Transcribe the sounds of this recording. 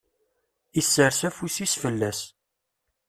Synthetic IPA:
isːəɾsæfusisfəlːæs

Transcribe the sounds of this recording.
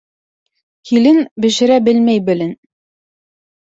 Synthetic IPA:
hilɘnbɘ̆ʃɘ̆ɾæbɘlmæjbɘ̆lɘn

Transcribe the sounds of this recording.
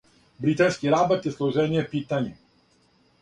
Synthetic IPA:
bɾit̪anskiɾabɔt̪jɛslˠɔʒɛnijɛpit̪aɲɛ

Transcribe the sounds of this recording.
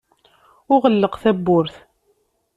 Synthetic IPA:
ʊʁəlːəqθæbːʊɾθ

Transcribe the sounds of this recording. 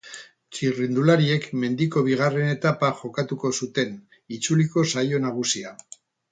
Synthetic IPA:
t͡ʃirind̪ulaɾie̞kme̞nd̪iko̞β̞iɣ̞are̞ne̞t̪apaʝo̞kat̪uko̞sut̪e̞n | it͡suliko̞sajo̞naɣ̞usia

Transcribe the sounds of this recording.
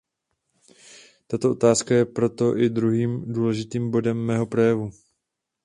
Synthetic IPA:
t̪at̪o̞ʔo̞t̪aːskajɛpɾo̞t̪o̞ʔɪd̪ɾuɦiːmduːlɛʒɪt̪iːmbo̞dɛmːɛːɦo̞pɾo̞jɛvu

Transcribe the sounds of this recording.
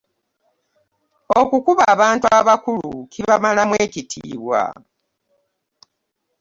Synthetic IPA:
o̞kukuβaːβaːntuaβakulṵciβamalamweːcitʰḭːβwa̰

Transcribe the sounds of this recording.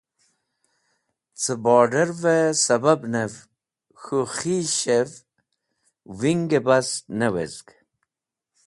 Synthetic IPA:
t͡səbɔːɖeɾvesɐbabnev | xuxiɕev | wiŋɡebɐsnewḛzɡ

